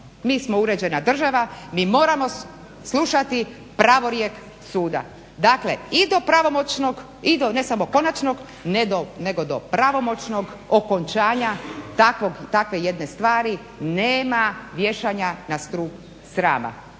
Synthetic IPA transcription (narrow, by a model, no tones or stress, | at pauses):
miːsmo̞uɾe̞d͡ʑe̞nad̪r̩ʒaʋamiːmo̞ːɾamo̞ | slˠuʃat̪i | pɾaʋo̞ɾjek | suːd̪a̰ | d̪akle̞id̪o̞pɾaʋo̞mot͡ʃnoɡ | id̪one̞samoko̞nat͡ʃno̞ɡ | ned̪one̞ɡo̞d̪opɾaʋo̞mo̞t͡ʃno̞ɡ | okont͡ʃaːɲat̪akʋoɡt̪akʋe̞je̞d̪ne̞st̪ʋaːɾi | neːmaʋje̞ʃaɲanast̪ɾuːk | sɾa̰ːma̰